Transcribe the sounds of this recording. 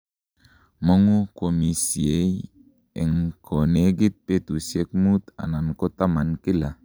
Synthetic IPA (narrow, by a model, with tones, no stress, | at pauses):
mo˦ŋu˦ko˨mi˨si˨e˨˦j | e˨ŋkʰo˨ne˦ɡi˦t̪̚pe˦t̪u˨sie˦k̚mu˦t̪a̰˨na˨nko˦t̪a˦ma˨nki˦la˨